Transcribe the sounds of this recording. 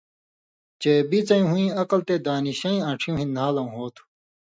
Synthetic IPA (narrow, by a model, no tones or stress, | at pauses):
t͡ɕeːbit͡sɐ̃ĩɦũĩːɐqɐlt̪eːd̪aːniɕɐ̃ĩɐ̃ʈ͡ʂʰĩũɦĩnaːlɐ̃ɦoːt̪ʰu̥